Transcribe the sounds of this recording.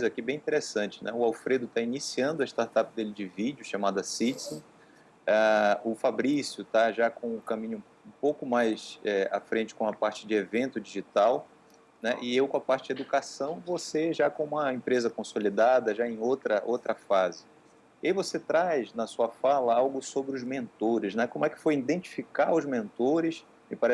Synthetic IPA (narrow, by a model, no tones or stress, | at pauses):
ojzakibẽj̃ĩt̪eɾesɐ̃nt͡ʃɪ̥nɛ̰ʊawfɾed̪ʊt̪ainisiɐ̃nd̪ʊɐɪʃt̪aɾt̪apd̪elɪd͡ʒɪvid͡ʒjʊʃamad̪ɐsit͡ʃsõ | aʊfabɾisjʊt̪aʒakõʊkɐ̃mĩɲʊ | ũpowkʊmajsɛa̰fɾẽnt͡ʃɪ̥kõɐpaɾt͡ʃɪd͡ʒɪevẽnt̪ʊd͡ʒiʒit̪aw | nɛʔɪewkõɐpaɾt͡ʃɪd͡ʒed̪ukasɐ̃w̃voseʒakõũmɐẽpɾezɐkõsolid̪ad̪ɐʒaẽj̃owt̪ɾɐʔowt̪ɾɐfazɪ | iaivoset̪ɾajznɐsuɐfalɐawɡʊsobɾɪʊzmẽnt̪oɾɪʃnɛkõmʊɛkɪ̥fojĩd̪ẽnt͡ʃi̥fikaɾʊzmẽnt̪oɾɪs | ɪpaɾɛ